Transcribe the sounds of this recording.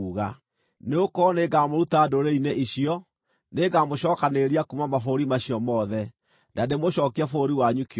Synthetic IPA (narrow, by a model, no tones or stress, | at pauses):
uɣa | neokɔneɡaːmoɾutadoɾeineʔiɕiɔ | neɡamoɕɔːkaneɾiakumamafoɾimaɕiɔmɔðɛ | dademoɕɔːkiafoɾiwaɲuke